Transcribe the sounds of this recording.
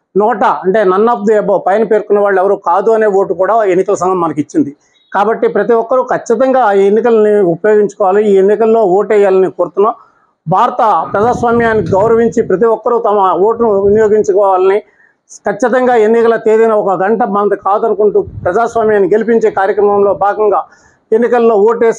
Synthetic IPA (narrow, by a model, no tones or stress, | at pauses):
nɔːʈɐɐɳʈe̞ːnɐnːaːp̚d̪iɛbɐpɐjɐnɐpe̞ːɾkunːɐʋaːɭːuɛʋɐɾukaːd̪uɐne̞ːwo̞ːʈukuːɽaːe̞nːikɐlɐsɐŋɡʱɐmːɐnɐkit͡ʃːind̪i | kaːbɐʈːipɾɐt̪iʋɔkːɐɾukʰɐt͡ʃːit̪̬ɐŋɡaːenːikɐlɐniupɐjo̞ːɡiɲt͡ʃu̥kɔːʋaːɐliiːenːikɐlːo̞ːoːʈɛjːaːlɐnikoːɾut̪unːɐ | bʱaːɾɐt̪ɐpɾɐd͡ʒaːsʋaːmjaːnːiɡɐwɾɐʋiɲt͡ʃipɾɐt̪̬iʋɔkːɐɾut̪ɐmɐwoːʈunuʋinijoːɡiɲt͡ʃukɔːʋaːlɐni | kɐt͡ʃːit̪̬ɐŋɡaːe̞nːikɐlɐt̪eːd̪inɐɔkɐɡɐɳʈɐbant̪ɐkaːd̪ɐnukuɳʈuːpɾɐd͡ʒaːsʋaːmjaːnːiɡe̞lip̬iɲt͡ʃe̞ːkaːɾjɐkɾɐmɐmlo̞ːbʱaːɡɐŋɡaː | e̞nːikɐlːo̞ːoːʈɛː